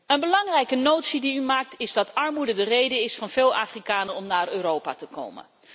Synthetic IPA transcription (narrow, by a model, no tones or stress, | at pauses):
ənbəlɑŋrɛjkənowtsidiymaːk̚tʰɪzdɑtɑɹmudədərejdəɪsfɑnv̥ɪːlˠʔa̰ːfrikaːnənɔmnaːrøːrowpa̰ːtəko̰wmə̰n